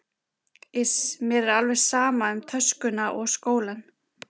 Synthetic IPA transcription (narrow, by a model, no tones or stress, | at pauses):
ɪsmjɛɾɛɾalvɛɾ̥saːmaʏmt̪ʰœskʏnaʔɔɣskoːwlan